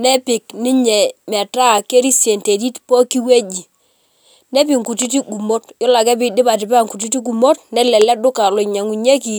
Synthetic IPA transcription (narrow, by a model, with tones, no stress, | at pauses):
nɛ˦pɪ˨knɪ˦ɲɛ˨mɛ˨ta˦˨ke˦ɾi˦sje˨nte˨ɾi˦tpɔ˦ki˦we˦d͡ʒi˨ | nɛ˦pi˨ŋku˨ti˦ti˦ɡu˨mo˦tjɔ˦la˨kɛ˦bi˦˨dɪ˦ba˨tɪ˨pa˦˨ŋku˨t̬i˦ti˦ɡu˨mo˦tnɛ˦lɛ˨lɛ˦dʊ˦ka˨lo˨ɲa˨ŋu˨ɲe˦ki˨